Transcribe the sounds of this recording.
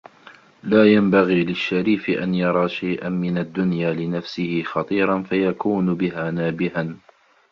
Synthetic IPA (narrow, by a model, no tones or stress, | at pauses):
laːjambaɣiːlɪʃːaɾiːfɪʔa̰njɑɾˤɑːʃajʔanmɪnad̪ːʊnjaːlɪnafsɪhɪxɑt̪ˤiːɾˤɑnfajakuːnʊbɪɦaːnaːbɪhan